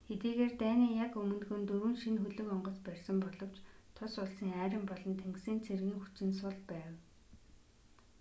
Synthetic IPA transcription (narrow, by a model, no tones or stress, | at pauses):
xet̪iːɣeːrt̪æːniːjakɵmɵ̆nɡɵ̆nt̪ɵɾwɘ̆ːnʃinxɵɮɵ̆kɔɴɢɞ̆t͡spærʲsə̆mpɔɮɞ̆w̥t͡ɕt̪ʰʊsʊɮsĭŋæːɾʲə̆mpɔɮɞ̆nt̪ʰeŋɡsiːnt͡sʰerɣiːŋxut͡ɕɪ̆nsʊɮpæːw